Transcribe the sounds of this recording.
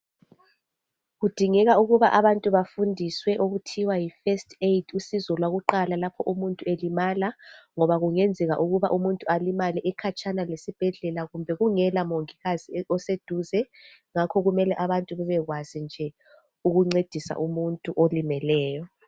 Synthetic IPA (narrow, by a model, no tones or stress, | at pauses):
ɣud̥ʱiŋɛɣauɣuβaʔaβantʼuβafundʱiswɛʔoɣutʰiwajifɛstʰʼejdʰusizɔlwaɣuǃalalapʰɔʔumuntʼuelimalaŋɔβaɣuŋend͡zʱɛɣa̰ʔuɣuβa̰ʔumuntʼualimaliʔɛkʰat͡ʃʼanalesib̥ʱɛɮɛlaɣumbʱɛɣuŋɛlamoŋiɣaz̥iɔsed̥ʱuzɛ | ŋakʰɔɣumɛlɛʔaβantʼuβɛβɛɣwaz̥ind͡ʒʱɛ | uɣuŋ͡ǀed̥ʱisa̰ʔumuntʼuʔolimɛlɛːjɔ